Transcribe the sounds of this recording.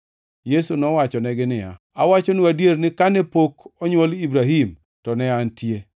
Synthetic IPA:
jesunɔwat͡ʃɔnɛɡɪnɪja̰ | a̰wat͡ʃonuadjeɾnɪkanɛpokɔɲwolibɾaɦim | tɔnɛantje

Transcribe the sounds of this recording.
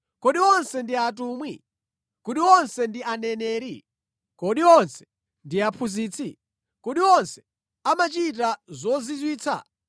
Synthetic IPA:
kɔɗiɔnsɛndiat̬uːmwḭ | kuɗiwɔnsɛndiʔanɛnɛːɾḭ | kɔɗiɔnsɛ̥ | ndiapʰuziːt͡sʰi | kuɗiɔnsɛ̥ | amat͡ʃit̬azɔzizwiːt͡sʰa̰

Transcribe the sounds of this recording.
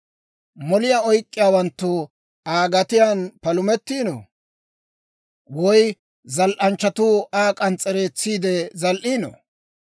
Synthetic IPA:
mɔlɪjaɔjkʼːɪjaːwɐnt̪ːʊ | aːɡɐt̪ɪjanpɐlʊmɛt̪ːiːnɔ̰ | wɔj | zɐlʔɐnt͡ʃːɐt̪uaːkʼɐnt͡sʼːɛɾe̞ːt͡sːiːd̪ɛzɐlʔiːnɔ̰

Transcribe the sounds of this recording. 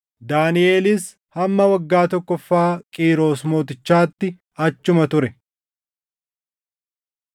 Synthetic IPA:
d̪aːnɪʔeːlɪs | hɐmːɐwɐɡːaːt̪ɔkːɔfːaːkʼiːɾo̞ːsmoːt̪ɪt͡ʃːaːt̪ːɪ | ɐt͡ʃːʊmɐt̪ʊɾɛ

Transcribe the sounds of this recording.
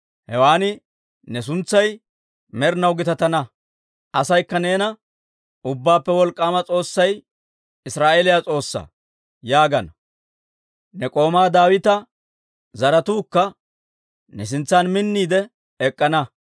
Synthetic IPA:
hɛwaːnɪ | nɛs̬ʊnt͡sːɐj | mɛɾnɐwɡɪt̪ɐt̪ɐnɐ | ʔɐsɐjkːɐneːnɐ | ʊbːaːpːɛwɔlkʼːaːmɐt͡sʼo̞ːsːɐj | ɪsɾaːʔeːlɪjat͡sʼo̞ːsːa̰ː | jaːɡɐnɐ | nɛkʼo̞ːmaːd̪aːwɪt̪ɐ | zɐɾɐt̪uːkːɐ | nɛs̬ɪnt͡sːaːnmɪnːiːd̪ɛ | ɛkʼːɐnɐ

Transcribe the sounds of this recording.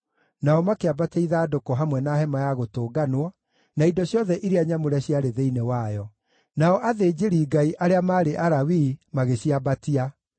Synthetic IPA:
naɔmakeabateiðaːdokɔɦamwɛnaɦɛmajaɣotoːɡanwɔ | naidɔɕjɔðɛʔiɾeaɲamoɾɛaɕiaɾeðeinewajɔ | naɔʔaðed͡ʑeɾiːɡaiʔaɾeamaːɾeʔaɾawiːmaɣeɕiabatia

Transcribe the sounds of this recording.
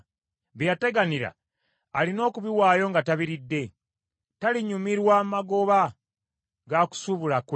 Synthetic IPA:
βjjate̞ɡaniɾa̰ː | lino̞ːkuβiwaːjo̞ŋɡataβiɾidːe̞ | taliɲumiɾwammaɡo̞βa | ɡaku̥suβulaku

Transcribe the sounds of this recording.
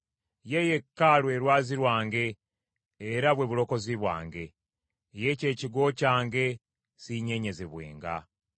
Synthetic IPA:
jeje̞kːalwe̞ɾwaːziɾwaːŋɡe̞ː | ɾaβwe̞βulo̞ko̞ziβwa̰ːŋɡe̞ | je̞ce̞ːciɡo̞caːŋɡe̞ | siɲe̞ɲe̞zeβwḛːŋɡa̰

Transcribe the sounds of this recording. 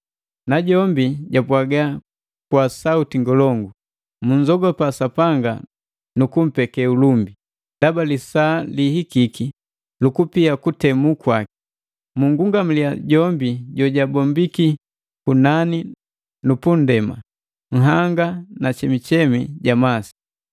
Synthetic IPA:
naɟɔmbiɟapwaɡa | kwasautiŋɡɔlɔŋɡu | muɲzɔɡɔpasapaŋɡa̰ | nukum̩pɛkɛulumbi | dabalisaːlihikiki | lukupiakutɛmukwaki̥ | muŋɡuŋɡam̩liaɟɔmbiɟɔɟabɔmbiki | kunani | nupun̩dɛma̰ | ŋ̩ɦaŋɡanat͡ʃɛmit͡ʃɛmḭɟamasi̥

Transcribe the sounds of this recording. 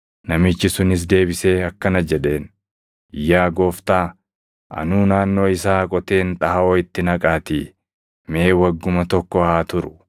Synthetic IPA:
nɐmɪt͡ʃːɪsʊnɪs̬d̪e̞ːbɪse̞ːɐkːɐnɐd͡ʒɛᶑe̞ːn | ɪjːaːɡo̞ːft̪aː | ɐ̰nuːnaːnːo̞ːɪsaːkʼɔt̪e̞ːnt̪ʼɐhɐoːɪt̪ːɪnɐkʼaːt̪i | me̞ːwɐɡːʊmɐt̪ɔkːɔaːt̪ʊɾʊ̥

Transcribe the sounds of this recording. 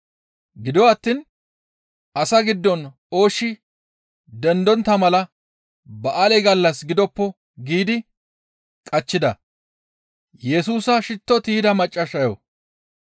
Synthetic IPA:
ɡɪd̪ɔɐt̪ːiːn | ɐsɐɡɪd̪ːɔn | o̞ːʃːɪ | d̪ɛnd̪ɔnt̪ːɐmɐlɐ | bɐʔalɛɡɐlːɐsɡɪd̪ɔpːɔ | ɡiːd̪ɪ | kʼɐt͡ʃːɪd̪ɐ | jɛsuːsɐʃɪt̪ːɔt̪iːd̪ɐmɐt͡ʃʼːɐʃɐjɔ̰

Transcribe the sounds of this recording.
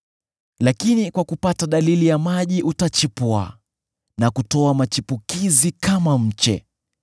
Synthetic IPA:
lakinikwakupataɗalilijamaʄiʔutat͡ʃipwa̰ | nakutɔamat͡ʃipukizikamam̩t͡ʃɛ̰

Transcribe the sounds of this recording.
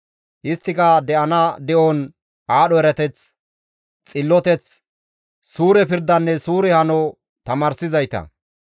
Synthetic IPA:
ʔɪst̪ːɪkɐd̪ɛʔɐnɐd̪ɛʔɔn | aːɗɔɛɾɐt̪ɛt͡s | t͡sʼɪlːɔt̪ɛt͡s | suːɾɛpɪɾd̪ɐnːɛsuːɾɛhɐnɔ | t̪ɐmaːɾsɪzɐjt̪ɐ̰

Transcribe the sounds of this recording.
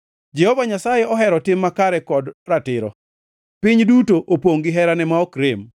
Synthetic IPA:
d͡ʒɛhɔvaɲasajɛɔɦɛɾɔtɪmːakaɾɛkɔdratɪɾɔ̰ | pɪɲdutoʔopoŋɡɪɦɛɾanɛmaɔkɾɪm

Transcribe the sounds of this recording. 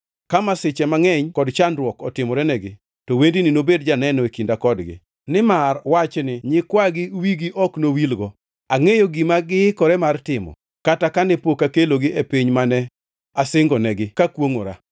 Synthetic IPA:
kamasɪt͡ʃɛmaŋɛɲkɔdt͡ʃandɾwɔkɔtɪmɔɾɛnɛɡɪ | tɔwendinɪnobedd͡ʒanɛnɔekindakɔdɡɪ̰ | nɪmarwat͡ʃnɪɲɪkwaɡɪwiɡiʔɔknowilɡɔ | aŋejoɡimaɡɪkɔɾɛmartɪmɔ̰ | katakanɛpokakeloɡɪʔepiɲmanɛ | asɪŋɡɔnɛɡɪkakwoŋo̰ɾa̰

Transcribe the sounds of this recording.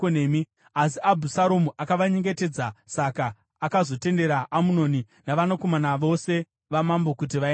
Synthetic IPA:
oneːmi | asiʔabʱusaɾomuʔakaʋaɲe̞ŋɡe̞te̞d͡zasakaː | kazo̞te̞nde̞ɾaʔamuno̞ni | naʋanako̞manaʋo̞se̞ | ʋamambo̞kut̬iʋae

